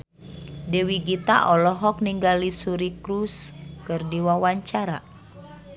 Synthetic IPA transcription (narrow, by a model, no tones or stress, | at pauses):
dɛwiɡit̪a̰ʔɔlɔɦɔk̚niŋɡalisuɾikɾuskɨrdiwawaɲt͡ʃaɾa